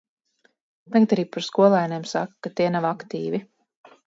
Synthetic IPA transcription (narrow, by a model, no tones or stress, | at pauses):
t̪aɡat̪aɾiːpaɾskuɔlˠaːjneɛmsa̰kkːat̪iɛnavakt̪iːvi